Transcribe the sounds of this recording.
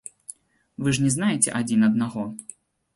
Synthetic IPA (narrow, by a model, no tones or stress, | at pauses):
vɨʐnʲɛznajɛt͡sʲɛ̰ʔad͡zʲinɐd̪̚naɣɔ